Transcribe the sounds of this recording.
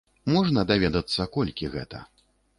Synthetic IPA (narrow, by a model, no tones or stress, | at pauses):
mɔʐnɐd̪avʲɛd̪ɐt̪sːɐkɔlʲkʲiɣɛ̰t̪ɐ̰